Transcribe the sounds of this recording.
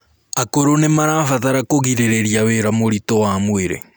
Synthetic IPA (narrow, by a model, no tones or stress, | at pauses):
akoɾonemaɾafaðaɾakoɣiɾeɾeɾjaweɾamoɾitowamweɾḛ